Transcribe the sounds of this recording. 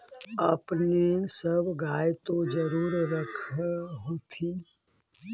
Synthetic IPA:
əpnisəbɡaːjt̪od͡ʒəɾuːɾɾəkʰɦot̪ʰi

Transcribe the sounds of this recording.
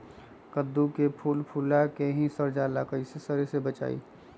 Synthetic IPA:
kəd̪ːukepʰuːlpʰuːlakeɦĩsəɾd͡ʒaːlakəisesəɾisebət͡ʃa̰ːḭː

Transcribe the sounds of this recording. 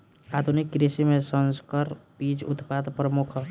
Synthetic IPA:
ad̪ʱunikːɾisimesə̃nskəɾbid͡ʒṵt̪pad̪pɾəmukʰ

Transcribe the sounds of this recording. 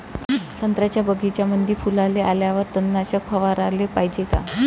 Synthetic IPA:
sənt̪ɾat͡ɕjabəɡʱit͡ɕjamənd̪ʱifulaleʔaljaʋəɾt̪ənːaɕəkfəʋaɾalepaɦd͡ʑeka̰

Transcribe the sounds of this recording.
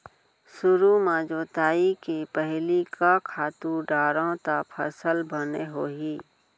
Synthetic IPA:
sʊɾumãːd͡ʒoːt̪aːikepəɦlikʰakʰaːt̪uɖaːɾõt̪apʰəsəlbəneɦoːɦiː

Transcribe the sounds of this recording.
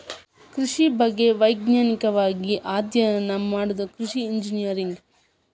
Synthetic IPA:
kɾiʂibɐɡːe̞ʋɐjɡnaːnikɐʋaːɡiʔaːd̪jɐjɐnɐmaːɽud̪ɐkɾiʃiːɲd͡ʒinijɐɾiŋɡ

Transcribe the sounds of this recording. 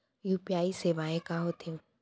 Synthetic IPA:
juːpijaːiseːʋaːẽkãɦot̪ẽ

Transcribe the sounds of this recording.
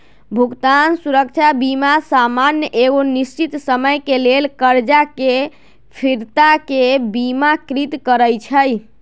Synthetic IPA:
bʱuɡt̪ansuɾək̚t͡ʃʰabimasamanjəʔeɡonist͡ʃit̪səməjkelelkəɾd͡ʒake | pʰiɾt̪akebimakɾit̪kəɾəjt͡ʃʰəj

